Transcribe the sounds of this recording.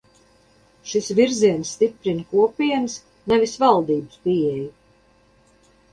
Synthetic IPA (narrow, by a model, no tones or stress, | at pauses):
ʃisviɾziɛnsːt̪ipɾinkuɔpʲiɛns | nɛvisvalˠd̪iːbɨspiɛju